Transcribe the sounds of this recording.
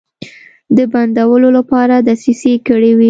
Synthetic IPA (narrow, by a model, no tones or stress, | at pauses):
d̪əband̪awəlolapɑɾad̪asisekəɽewi